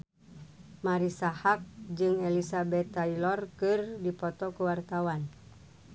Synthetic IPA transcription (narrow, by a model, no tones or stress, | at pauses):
maɾisahak̚d͡ʒɨŋɛlisabɛt̪ailɔrkɨrdipɔt̪ɔkuwart̪awan